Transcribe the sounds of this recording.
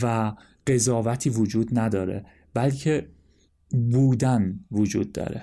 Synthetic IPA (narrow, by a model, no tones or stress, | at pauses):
væ | ɢ̥e̞zɒːvæt̪ʰiːvod͡ʒuːd̪næd̪ɒːɾḛ | b̥ælcʰe | buːd̪ænvod͡ʒuːd̪̚ːɒ̰ːɾḛ